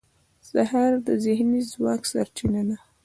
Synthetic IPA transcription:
sahaɾd̪əzɪhnizwɑksaɾt͡ʃinana

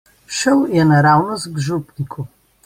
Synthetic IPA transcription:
ʃəwjɛnaɾawnɔzɡʒupnikʰu

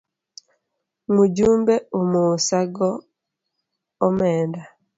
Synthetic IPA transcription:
muɟuːmbɛumusaɡɔ | mɛːnda

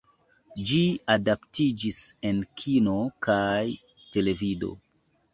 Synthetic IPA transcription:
d͡ʒiadaptid͡ʒise̞nkʰino̞kʰaj | te̞le̞vido̞̰

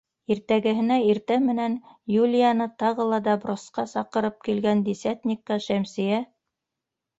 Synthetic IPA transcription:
iɾt̪æɡɘ̆ɦɘ̆næiɾt̪æmɘ̆nænjulʲɪjɑnɤt̪ɑʁɤ̆lˠɑd̪ɑbɾŏsqɑsɑqɤ̆ɾɤp̚kilɡænd̪isʲat̪ʲnʲikːɑʃæmsɘ̆jæ

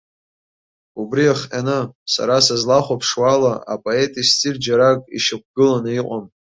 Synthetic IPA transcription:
ubriaχʲʼanɨsa̰ɾasazlaχʷapʰʂwalaʔa̰pʼoe̞tʼistʰʼird͡ʒaɾakʼḭʃɪk̚ʷʰɡɨlanɨiqʷʼam

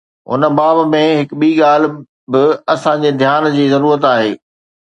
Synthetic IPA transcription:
ɦʊ̰nəbaːbmẽɦɪkɓiːɠaːl̤ɪ̆ | bɪɐsãɲd͡ʑeːd̪ʱjaːnd͡ʑiːzɐɾuːɾət̪aːɦeː

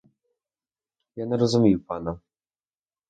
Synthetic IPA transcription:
janɛɾɔzumʲiwpana

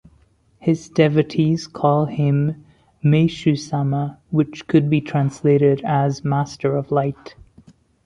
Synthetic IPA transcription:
hɪzdɛvɨɾʰiz̥kʰɔlˠɪ̃mː | eɪʃʉsaməwɨt͡ʃkʰɨd̚bitʰɹ̥æ̃nsleɪɾɪɾɨzmæstə˞ʌvlaɪt

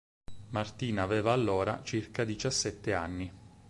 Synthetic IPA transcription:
mart̪iːnaːvɛːvaːlːoːɾa̰t͡ʃirkad̪it͡ʃasːɛt̪ːeanːi

